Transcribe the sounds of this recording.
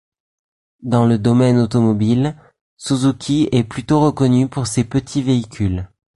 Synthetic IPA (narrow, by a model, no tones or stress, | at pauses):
d̪ɑ̃ləd̪ɔmɛnot̪ɔmɔbil | suzukʲʰiɛplyt̪oʁəkɔnypuʁsepət̪ʰiveikʲyl